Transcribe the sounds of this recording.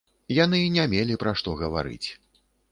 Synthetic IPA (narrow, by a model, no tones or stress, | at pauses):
janɨnʲamʲelʲipɾaʂt̪ɔɣɐva̰ɾɨ̰t͡sʲ